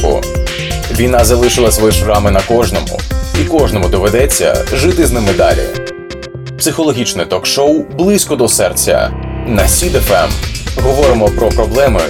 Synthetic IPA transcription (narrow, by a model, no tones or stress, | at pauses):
ʊ̰ | ʋʲijnɑzɐlˠɪʃɪlˠɐsʋɔjiʃɾɑmɪnɐkɔʒnɔmʊ̰ikɔʒnɔmʊd̪ɔʋed̪ɛt͡sʲːɐ̰ʒɪt̪ɪznɪmɪd̪ɑlʲḭ | psɪxɔlˠɔɦʲit͡ʃnɪt̪ɔkʃɔwblˠɪsʲkɔd̪ɔsɛrt͡sʲɐ̰nɐsʲid̪ɛfɛ̰mɦɔʋɔɾɪmɔpɾɔpɾɔblˠɛmɪ